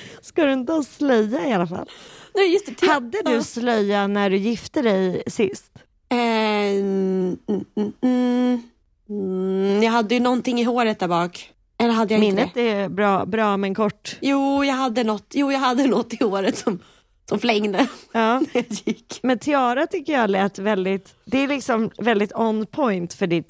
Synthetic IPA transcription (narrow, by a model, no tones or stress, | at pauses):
skad̪ɵɪnt̪əaslɛjːaɪalafa̰lnɛjɵst̪ɛhad̪ːəd̪ɵslɛjːanæɖɵjɪft̪əd̪ɛjsɪ̰st̪ | ɛ | jɑːɡhad̪ːəjɵnɔnt̪ɪŋːɪɦoːɾət̪̚d̪æɾbɑːk | ɛlːəɦad̪ːəjamɪnːət̪ɛbɾɑːbɾɑːmɛnkʰɔʈːjuːjɑːɡɦad̪ːənɔt̪ːjuːjɑɡhad̪ːənɔt̪ːɪhoːɾət̪sɔm | sɔmflɛŋd̪əɑːnæjajɪkːmɛnt̪ʰɪɑːɾat̪ʰʏkːəjɑlɛːt̪vɛld̪ɪt̪ | d̪ɛælɪksɔmvɛld̪ɪt̪ɔnːpʰɔjnt̪fœɖɪt̪